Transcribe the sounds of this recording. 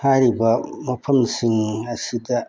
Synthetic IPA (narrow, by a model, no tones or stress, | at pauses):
haɾibamaɸʰɐmsiŋasida